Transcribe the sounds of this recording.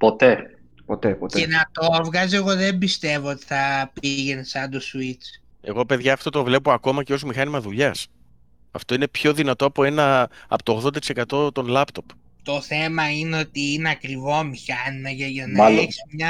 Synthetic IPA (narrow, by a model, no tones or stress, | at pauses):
pot̪e | pot̪epot̪enɐt̪ovɣɐzie̞ɣo̞ðe̞mbist̪e̞vo̞ot̪i̥θɐpiʝe̞nesɐnd̪o̞suit͡s | e̞̰ɣo̞pe̞ðʝɐːft̪o̞t̪o̞vle̞po̞ɐko̞mɐceo̞smixɐnimɐðuʎɐs | ɐ̰ft̪o̞ine̞pço̞ðinɐt̪o̞ɐpo̞e̞nɐɐ̰pot̪oːɣðd̪ɐt̪isekɐt̪o̞t̪o̞nlɐpt̪o̞p | t̪o̞θe̞mɐineo̞t̪iineɐkɾivo̞mixɐnimɐʝɐʝɐnɐleçsi̥smɲɐ